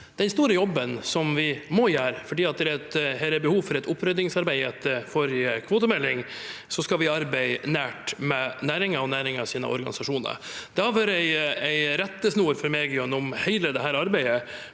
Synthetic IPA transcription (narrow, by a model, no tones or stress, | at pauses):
d̪̥ɛnst̪uːɾəjɔbːənsɔmʋɪmɔjæːɾfɔɖiːɑt̪̚d̪ɛɾɛt̪hɛlɛɾbəhuːʋfɔɾɛt̪ʊpʰːɾød̪ɪŋsɑɾbæɪɛt̪ːəfɔɾɪkʰʋoːt̪əmɛlːɪŋ | sɔskɑlʋɪɑɾbæɪnæːʈmɛnæːɾɪŋəɔnæːɾɪŋɑsiːnə̰ʔɔ̰ɾɡɑ̰nɪsɑʂuːnə̰ɾd̪̥ɛhɑføːɾæɪæɪɾɛt̪ːəsnuːɾfɔɾmeːɡɪjʉnʊmhæɪləd̪ɛɦæːɾɑɾbæɪə